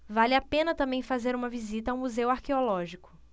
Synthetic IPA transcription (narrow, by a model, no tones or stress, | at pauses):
valɪapẽnɐt̪ɐ̃mbẽj̃fazeɾũmɐvizit̪ɐaw̃muzewaɾkeolɔʒikʊ̥